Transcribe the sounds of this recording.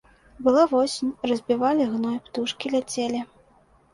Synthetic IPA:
bɨlˠavɔsʲinʲrɐzʲbʲivalʲiɣnɔjpt̪uʂkʲilʲat͡sʲelʲi

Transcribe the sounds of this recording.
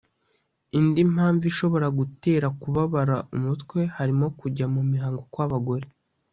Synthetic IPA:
indim̥haːɱviʃo̞βo̞ɾaɡute̞ːɾakuβaβaɾaʔumutkwe̞haɾimo̞kuɟamumiɦaːŋɡo̞kwaβaɡo̞ɾe

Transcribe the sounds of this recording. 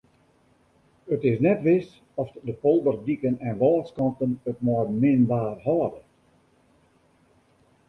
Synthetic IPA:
ətɪsnɛtʋɪs | ɔfdəpɔlˠdərdikənɛnʋɔːskɑntənətmɔːrmɪnbaːrhɔːdə

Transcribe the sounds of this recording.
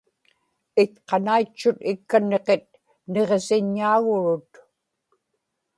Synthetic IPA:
ɪt̪qɑnait͡ʃːʊt̪ɪkːane̞qet̪̚ | ne̞ʁsɪɲːaːɣʊɻʊt̪

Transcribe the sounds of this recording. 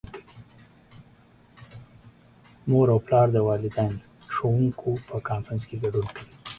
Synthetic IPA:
moɾawplɑːɾd̪əwɑːlɪd̪ajn | ʃowuŋkʰopəkɑːnfɾənskeɡɐɖunkəwi

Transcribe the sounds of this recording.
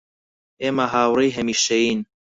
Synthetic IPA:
eːmaɦaːwrejɦɐmiːʃɐjiːn

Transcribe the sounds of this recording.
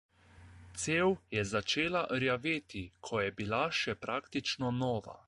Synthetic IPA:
t̪seːwjɛzat͡ʃeːlaʔɾjaʋeːt̪ikʰɔjɛbilaʃɛpɾaːkt̪it͡ʃnɔnɔːʋa̰

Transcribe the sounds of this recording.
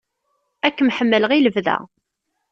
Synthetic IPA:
ækːmħəmːələʁiləvðæ̰

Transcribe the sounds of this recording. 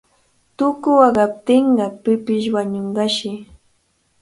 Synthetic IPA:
t̪ʊkʊwɑɢɑp̚t̪ɪɴɢɑpɪpɪʃwaɲoɴɢɑʃɪ

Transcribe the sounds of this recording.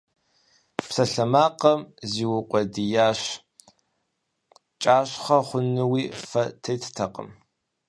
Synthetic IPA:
psɐɬɐmaːqɐmziːwʊqʷʼɔdijaːɕ | t͡ʃʼaːɕχɐχʷʊnɨwiːfɐtʰejtʰtʰɐqʼə̰m

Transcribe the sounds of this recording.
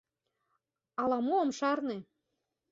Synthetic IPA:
ɑlɑmoəmʃɑrne

